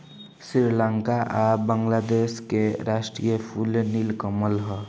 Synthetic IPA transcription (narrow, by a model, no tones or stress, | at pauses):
sɾiɾlaŋkaʔabəŋlad̪eskeɾasʈɾijəpʰulnilkəməlɦɔ